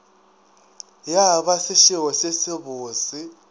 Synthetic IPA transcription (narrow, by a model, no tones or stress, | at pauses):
jaβasɪʃɪɦɔsesɪbʊːsɪ